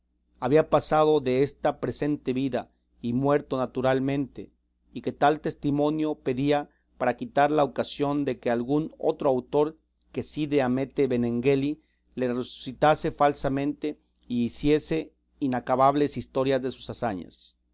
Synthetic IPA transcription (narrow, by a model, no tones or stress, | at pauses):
aβiapasað̞o̞ðe̞est̪apɾe̞se̞nt̪e̞βiða | imwe̞ɾt̪o̞nat̪uɾalmẽ̞nt̪e̞ | ike̞t̪alt̪e̞st̪imõ̞njo̞pe̞ðia | paɾakit̪aɾlaokasjo̞nd̪e̞ke̞alɣuno̞̰t̪ɾoawt̪o̞ɾ | ke̞siðeame̞t̪e̞βe̞ne̞ŋɡeli | le̞resu̥sit̪ase̞falsamẽ̞nt̪e̞ | iːsje̞se̞ | inakaβaβle̞sist̪o̞ɾjazðe̞su̥sasaɲa̰s